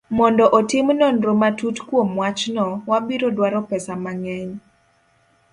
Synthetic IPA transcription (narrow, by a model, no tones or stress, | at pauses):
mɔndɔʔotɪmnɔnɾomatutkwomwat͡ʃnɔwabiɾɔdwaɾɔpɛsamaŋɛɲ